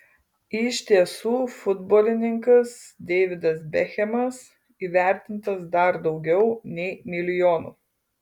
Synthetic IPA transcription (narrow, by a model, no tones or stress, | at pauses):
ɪʃʲt̪ʲiɛsuːfʊd̪bɔːlʲɪnʲɪŋkɐsd̪ʲɛːʋʲɪd̪ɐsbʲɛxʲɛmɐs | iːʋʲæˑɾʲt̪ʲɪnt̪ɐsd̪ɐɾd̪ɒʊɡʲɛʊnʲɛɪmʲɪlʲɪjoːnṵː